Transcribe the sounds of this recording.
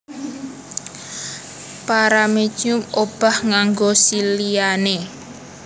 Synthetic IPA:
paɾame̥ʒ̥ʊmob̥ahŋaŋɡosilijane

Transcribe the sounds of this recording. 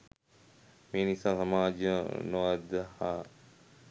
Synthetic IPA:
meːnisaːsɐmaːd͡ʒjənoʋad̪əhaː

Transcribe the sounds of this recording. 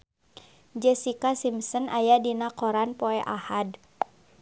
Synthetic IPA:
d͡ʒɛsikasimsənʔajadinakɔɾanpɔɛʔahad

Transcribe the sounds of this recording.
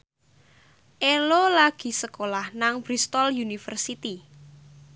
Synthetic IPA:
ʔelolaɡ̥i̤səkolahnaŋb̥ɾist̪ɔljunifərsit̪i

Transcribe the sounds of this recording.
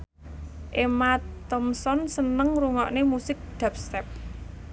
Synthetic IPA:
ʔemat̪ɔmsɔnsənəŋruŋɔʔnemusɪk̚d̪̥a̤p̚st̪ɛp̚

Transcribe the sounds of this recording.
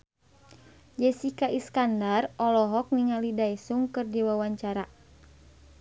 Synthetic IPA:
d͡ʒɛsikaʔiskandarɔlɔɦɔk̚niŋalidajsuŋkɨrdiwawaɲt͡ʃaɾa

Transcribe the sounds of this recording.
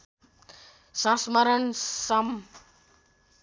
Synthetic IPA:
sãsməɾənsɐm

